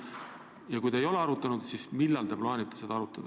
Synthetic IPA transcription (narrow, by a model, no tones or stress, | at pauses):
jɑkujt̪ɑejo̞le̞ɑɾut̪ːˑɑnud̪̥sismilːɑlt̪eplɑːnʲit̪ːˑesed̪ɑɑɾut̪ːˑɑd̪̥ɑ